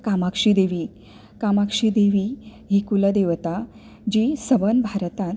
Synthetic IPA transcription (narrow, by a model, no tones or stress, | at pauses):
kamakʂiːd̪eʋiː | kamakʂid̪eʋiɦiːkuləd̪eʋt̪a | d͡ʑiːsəʋənbʱaɾt̪ãt̪